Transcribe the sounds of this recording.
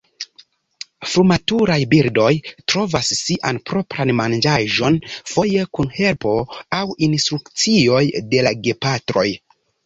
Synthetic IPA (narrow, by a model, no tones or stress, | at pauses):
fɾumatuɾajbiɾdo̞jtɾo̞vasːiʔanpɾo̞pɾanmand͡ʒaʒo̞nfo̞je̞kunhe̞lpo̞awinstɾukt͡sio̞jde̞laɡe̞patɾo̞̰j